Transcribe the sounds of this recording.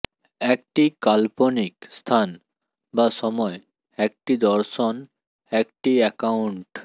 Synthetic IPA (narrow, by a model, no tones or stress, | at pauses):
ek̚ʈikalponikst̪ʰan | baʃɔmɔe | ɛk̚ʈid̪ɔɾʃon | ɛkʈiɛkauɳʈ